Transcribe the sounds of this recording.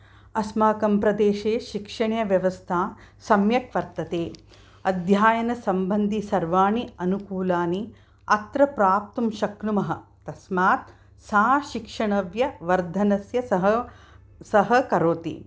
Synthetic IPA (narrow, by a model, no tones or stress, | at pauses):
ɐsmaːkɐmpɾɐd̪eːʃeːʃikʂɐɳjɐʋjɐʋɐst̪ʰaː | sɐmjɐkʋɐɾt̪ɐt̪eː | ɐd̪ʱjaːjɐnɐsɐmbɐnd̪ʱisɐɾʋaːɳiɐnukuːlaːni | ɐt̪ɾɐpɾaːp̚t̪ɐmʃɐknumɐɦɐ̆t̪ɐsmaːt̪̚ | saːʃikʂɐɳɐʋjɐʋɐɾd̪ʱɐnɐsjɐɐɦɐ | sɐɦɐkɐɾoːt̪ḭ